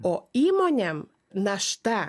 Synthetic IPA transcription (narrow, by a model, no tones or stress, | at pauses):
ɔimɔɲɛm | naʃt̪a